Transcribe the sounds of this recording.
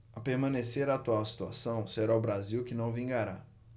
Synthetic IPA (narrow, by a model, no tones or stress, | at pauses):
ɐpeɾmɐ̃neseɾaːt̪uawsi̥t̪ua̰sɐ̃w̃seɾaʊbɾaziwkɪnɐ̃w̃vĩɡaɾa